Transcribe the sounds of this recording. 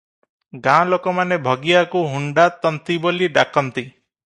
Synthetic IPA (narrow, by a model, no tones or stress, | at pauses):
ɡãlokɔmanebʱɔɡijakuɦuɳɖat̪ɔnt̪iboliɖakɔnt̪i